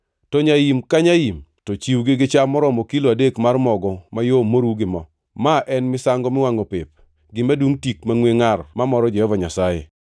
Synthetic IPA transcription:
tɔɲajimkaɲajimtɔt͡ʃiwɡeɡɪt͡ʃamɔɾɔmɔkiloadekmarmɔɡɔmajomoɾuɡɪmɔ | maʔɛnmɪsaŋɡɔmɪwaŋɔpɪp̚ | ɡɪmadwuŋtikmaŋweŋarmamɔɾɔd͡ʒɛhɔvaɲasajḛ

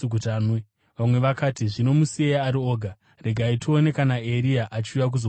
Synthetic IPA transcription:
utane | ʋamwe̞ʋakaːtiʐino̞musieaɾio̞ːɡʱa | re̞ɡʱaitʰione̞kanae̞ɾiaʔat͡ʃiujak̬uzo

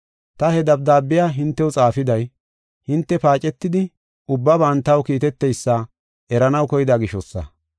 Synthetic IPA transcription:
t̪ɐhɛd̪ɐp̚d̪aːbːɪjaːɦɪnt̪ːɛwʊt͡sʼaːfɪd̪ɐj | hɪnt̪ːɛpaːt͡ʃʼɛt̪ːɪd̪ɪ | ʊbːɐbɐnt̪ɐwkiːt̪ɛt̪ːɛjsːɐ | ʔɛɾɐnɐwkɔjɪd̪aːɡɪʃɔsːɐ̰

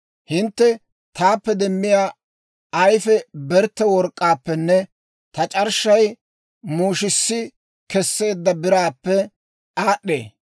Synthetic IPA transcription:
hɪnt̪ːɛ | t̪aːpːɛd̪ɛmːɪjaː | ɐjfɛbɛɾt̪ːɛwɔɾkʼːaːpːɛnːɛ | t̪ɐt͡ʃʼɐɾʃɐj | muːʃɪsːɪ | kɛsːe̞ːd̪ːɐbɪɾaːpːɛ | aːɗːḛː

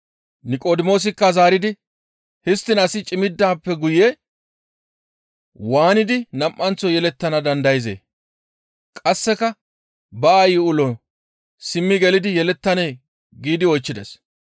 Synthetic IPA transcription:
nɪkʼoːd̪ɪmo̞ːs̬ɪkːɐzaːɾɪd̪ɪ | hɪst̪ːɪnɐsɪt͡ʃʼɪmɪd̪ːaːpːɛɡʊje | waːnɪd̪ɪnɐmʔːɐnt͡sːɔjɛlɛt̪ːɐnɐd̪ɐnd̪ɐjɪzḛː | kʼɐsːɛkɐ | bɐːjɪʊlɔ | sɪmːɪɡɛlɪd̪ɪjɛlɛt̪ːɐneː | ɡiːd̪ɪɔjt͡ʃːɪd̪ɛ̰s

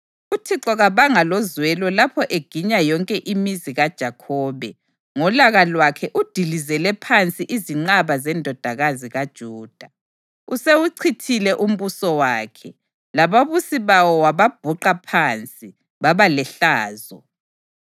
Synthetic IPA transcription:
utʰiǁɔɣaβaŋalɔzwɛlɔlapʰɔʔeɡ̥ʱiɲajɔŋkʼɛʔimiziɣad̥ʒ̥ʱakʰɔːβɛ | ŋɔlaɣalwakʰɛʔud̥ʱilizɛlɛpʰant͡sʼiʔiziŋ͡ǃaβazɛndʱɔd̥ʱaɣaziɣad̥ʒ̥ʱuːd̥ʱa | usewuǀʰitʰilɛʔum̩βusɔwaːkʰɛ | laβaβusiβawɔwaβab̥ʱuǃapʰant͡sʼi | βaβalɛɬaːzɔ

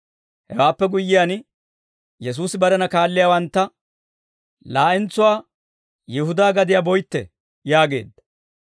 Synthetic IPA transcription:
hɛ̰waːpːɛɡʊjːɪjaːn | jɛs̬uːsɪbɐɾɛnɐkaːlːɪjaːwɐnt̪ːɐ | laːʔɪnt͡sːʊwaː | jɪhʊd̪aːɡɐd̪ɪjaːbɔjt̪ːɛ̰ | jaːɡe̞̰ːd̪ːɐ

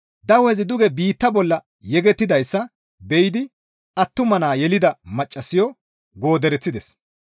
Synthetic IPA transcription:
d̪ɐwɛzɪd̪ʊɡɛbiːt̪ːɐbɔlːɐ | jɛɡɛt̪ːɪd̪ɐjsːɐ | bɛjɪd̪ɪ | ʔɐt̪ːʊmɐnaːjɛlɪd̪ɐmɐt͡ʃʼːɐsɪjɔ | ɡo̞ːd̪ɛɾɛt͡sːɪd̪ɛs

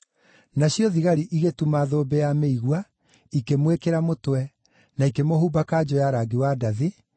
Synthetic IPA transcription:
naɕjɔðiɣaɾiʔiɣetumaːðobɛjameiɣwa | ikemwekeɾamotwɛ | naikemoɦuːbakaːd͡ʑɔjaɾaɡiwadaði

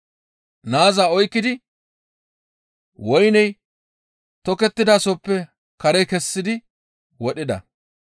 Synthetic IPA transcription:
naːzaːɔjkːɪd̪ɪ | wɔjnɛj | t̪ɔkɛt̪ːɪd̪aːsopːɛ | kɐɾɛjkɛsːɪd̪ɪ | wɔɗɪd̪ɐ̰

